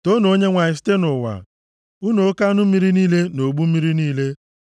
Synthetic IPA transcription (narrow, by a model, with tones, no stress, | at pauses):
to˦no˨o˦ɲe˦ŋʷa˨ɪ˨s̬te˦nʊ˨wa̰˨ | u˦no˨˦ka˦nʊ˦mi˦ɾi˦niː˦le˦no˨ɡ͡bu˦mi˦ɾi˦niː˦le˦